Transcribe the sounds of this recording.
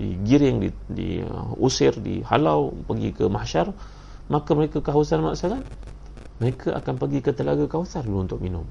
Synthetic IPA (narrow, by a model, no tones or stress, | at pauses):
diɡiɾɪŋdidḭusɪrdḭha̰lawpəɡḭkəmahʃar | makaməɾekakaɦawusanma̰ʔsakan | məɾekʰaʔa̰kanpəɡikət̪əlaɡakawusarluunt̪ʊʔ̚minʊm